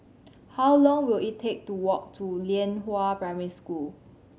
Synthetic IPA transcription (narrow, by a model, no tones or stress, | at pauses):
hawlɔ̃ŋwilittʰek̚tuwɔk̚tʰuliə̃nɦoapɹaɪmiɹiskul